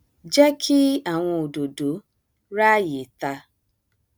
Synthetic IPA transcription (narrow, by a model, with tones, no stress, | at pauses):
d͡ʒɛ˦kʰi˦a˦˨w̃ɔ̃˧o˨do˨do˨˦ | ɾa˦˨je˨ta˧